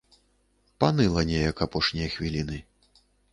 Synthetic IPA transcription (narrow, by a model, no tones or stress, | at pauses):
panɨlˠɐnʲɛjɐkapɔʂnʲɛjɐxvʲilʲinɨ